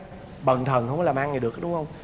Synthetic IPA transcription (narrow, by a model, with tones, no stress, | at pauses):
ɓə˨˩nt̪ʰə˨˩nkwŋ͡ma˧˦laː˨˩maː˧ŋːa˨˩ɗɨ˨˩ək̚ɗʊ˨˦ŋ͡mhə˧wŋ͡m